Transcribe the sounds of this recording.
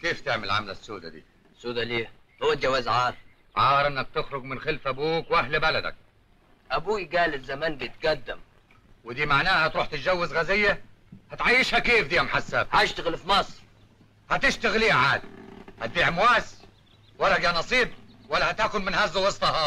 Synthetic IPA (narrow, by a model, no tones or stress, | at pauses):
keːft̪ɪʕmɪ̰lʕa̰mla̰sːuːd̪a̰d̪ḭː | sːuːd̪aliː | hʊwːat̪̚d͡ʒawazʕɑːɾˤ | ʕɑːɾˤʔɪnːak̚t̪ɪxɾʊɡmɪnxɪlfʔabuːkwʔahlbalad̪a̰k̚ | ʔabuːjɡaːlɪzamaːnbit̪ɡad̪ːɪm | wɪd̪iːmaʕnaːhat̪ɾˤuːħt̪ɪt̪ʒawːɪzɣazɪjːahat̪ʕajːɪʃhakeːfd̪iːamħasːabhaʃt̪aɣɪlfmɑsˤɾ | hat̪ɪʃt̪aɣliːhaʕaːd̪hat̪̚biːʕmwaːs | walːaɡanɑsˤiːb̚walːahat̪aːkʊnmɪnhaːzawɑsˤt̪ˤɑhɑ